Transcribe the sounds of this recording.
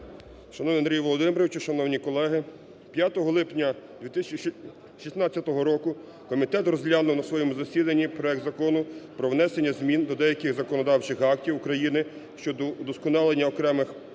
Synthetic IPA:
ʃɐnɔwnɪɐnɾʲijʋɔlˠɔd̪ɪmeɾɔʋɪt͡ʃuʃɐnɔwnʲikɔlˠɛɦɪ | pʲjat̪ɔɦɔlˠɪpnʲɐd̪ʲʋʲit̪ɪst͡ʃ | ʃisnɑt͡sʲːɐt̪ɔɦɔɾɔkʊ | kɔmʲit̪ɛt̪rɔzʲɦlʲanʊwnɐsʋɔjɛmʊzɐsʲid̪ɐnʲːipɾɔɛk̚d̪zɐkɔnʊpɾɔʋnɛsenʲːɐzmʲind̪ɔd̪ɛjɐkɪɣzɐkɔnɔd̪ɑwt͡ʃɪxɑk̚tʲiwukɾɐjinɪ | ʃt͡ʃɔd̪ɔd̪ɔskɔnɑlˠenʲːɐɔkɾɛmɪx

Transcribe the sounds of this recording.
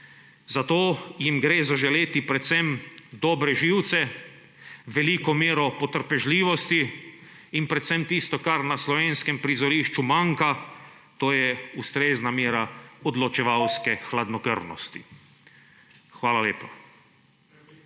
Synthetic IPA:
zat̪oːjimɡɾeːzaʒɛleːt̪ipɾɛt̪sɛmd̪ɔːbɾɛʒiːwt̪sɛ | ʋɛlikɔmeːɾɔpɔt̪əɾpɛʒliːʋɔst̪i | inpɾɛt̪sɛmt̪ist̪ɔkaɾnaslɔʋeːnskɛmpɾizɔɾiːʃt͡ʃumaŋka | t̪oːjɛust̪ɾeːznamjeːɾaɔd̪lɔt͡ʃɛʋawskɛxlad̪nɔkə̰ɾnɔ̰st̪ḭ | xʋaːlaleːpa

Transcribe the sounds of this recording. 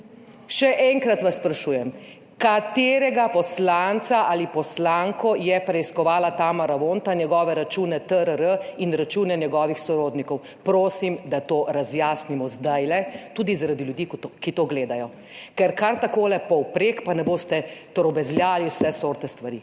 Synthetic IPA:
ʃɛʔɛŋkɾat̪ʋasːpɾaʃuːjɛm | kat̪eːɾɛɡapɔslant̪saʔalipɔslaŋkɔjɛpɾɛiskɔʋaːlat̪aːmaɾaʋoːnt̪anjɛɡɔːʋɛɾat͡ʃuːnɛt̪əɾəɾəinɾat͡ʃuːnɛnjɛɡɔːʋixsɔɾoːd̪nikɔw | pɾoːsimd̪at̪oːɾazjaːsnimɔzd̪ajlɛt̪uːd̪izaɾad̪iljud̪ikkit̪oːɡleːd̪ajɔ | kɛɾkaɾt̪akoːlɛpɔwpɾekpanɛboːst̪ɛt̪ɔɾɔbɛzljaːliwsɛsoːɾt̪ɛst̪ʋaɾi

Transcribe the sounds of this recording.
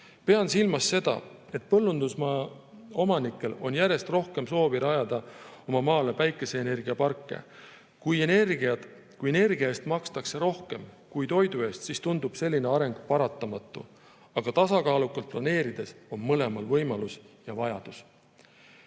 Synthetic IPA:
pe̞ɑnsilmɑsːe̞d̪̥ɑ̰ | e̞t̪̚pɤlːund̪̥usmɑo̞mɑnikːˑe̞lo̞njæɾe̞st̪ro̞hke̞mso̞ːbiɾɑjɑd̪̥ɑo̞mɑmɑːle̞pæjkːˑe̞se̞ːne̞rɡ̥iɑpɑrkˑːe̞̰ | kujenerɡɑ | kujene̞rɡ̥iɑeːst̪mɑkst̪ɑkse̞ɾo̞hke̞m | kujt̪o̞jd̪ue̞ːst̪sist̪und̪ub̥se̞lːineɑɾe̞ŋɡ̥pɑɾɑt̪ˑːɑmɑt̪ːˑṵ | ɑɡ̥ɑt̪ɑsɑkɑːlukːɑlt̪̚plɑne̞ːɾid̪̥e̞so̞nmɤle̞mɑlvɤ̞jmɑlusjɑvɑjɑd̪̥us

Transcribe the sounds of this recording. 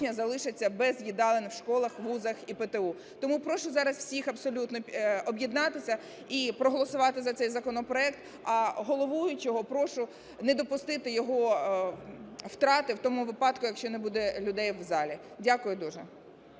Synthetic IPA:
nʲɐzɐlˠɪʃɪt͡sʲːɐbɛzjʲid̪ɑlˠenwʃkɔlˠɐxʋuzɐxipet̪eu | t̪ɔmupɾɔʃʊzɑɾɐswsʲixɐpsɔlʲut̪nɔɔbʲjid̪nɑt̪ɪsʲɐ | ipɾɔɦɔlˠɔsʊʋɑt̪ɪzɐt̪ɛjzɐkɔnɔpɾɔɛk̚t̪ | ɐɦɔlˠɔʋɔjʊt͡ʃɔɦɔpɾɔʃʊ | nɛd̪ɔpʊst̪ɪt̪ɪjɔɦɔ | wt̪ɾɑt̪ɪwt̪ɔmʊʋɪpɑt̪kʊjɐkʃt͡ʃɔnebud̪ɛlʲʊd̪ɛjʋzɑlʲi | dʲakʊjʊd̪uʒɛ

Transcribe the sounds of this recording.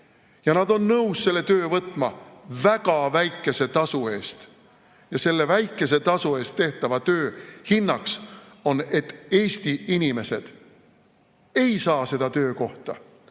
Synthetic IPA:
jɑnɑd̪o̞nːɤwsse̞lːe̞t̪ø̞ːvɤt̪ːˑmɑvækɑvæjkːˑe̞se̞t̪ɑsue̞ːst̪ | jɑse̞lːe̞væjkːe̞s̬e̞t̪ɑsue̞ːst̪ːe̞ht̪ɑvɑt̪ø̞ːhinːɑks | o̞ne̞t̪ːe̞ːsʲt̪iinʲime̞se̞d̪̥ | e̞jsɑːse̞d̪̥ɑt̪ø̞ːko̞ht̪ɑ̰

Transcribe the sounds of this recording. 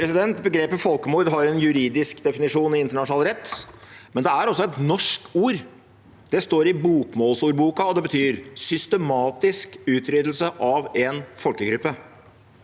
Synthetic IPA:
pɾɛsɪd̪ɛnt̪bəɡɾeːpəfɔlkəmuːɾd̪ɦɑɾɛnjʉɾiːd̪ɪskd̪ɛfɪnɪʂuːnɪɪnt̪əɳɑʂʊnɑlɾɛt̪ːmɛnd̪ɛæɾɔsːɔɛt̪nɔʂkuːɾ | d̪̥ɛst̪oːɾɪbuːkmoːlsuːɾbuːkɑɔd̪ɛbət̪ʰyːɾsʏst̪əmɑːt̪ɪskʉːt̪ʰɾʏd̪l̩səʔɑʋɛnfɔlkəɡɾʉpːə

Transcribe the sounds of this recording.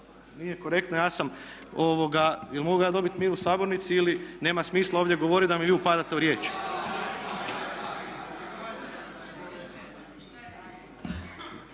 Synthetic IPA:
nijeko̞ɾe̞kt̪nojaːsamoʋo̞ɡailmoɡujaːd̪o̞bit̪miːɾusaːbo̞ɾnit̪siiline̞ːmasmiːslˠaoːʋd̪ʲjeɡoʋo̞ɾid̪amiʋiːupad̪at̪euɾje̞ːt͡ʃ

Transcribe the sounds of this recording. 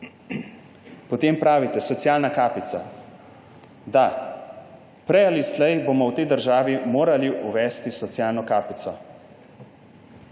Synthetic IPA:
pɔt̪eːmpɾaːʋit̪ɛsɔt̪sjaːlnakaːpit̪sa̰ | d̪a | pɾɛjalislɛjbomɔwt̪ɛjd̪əɾʒaːʋimoːɾaliʔuʋɛːst̪isɔt̪sjaːlnɔkaːpit̪sɔ

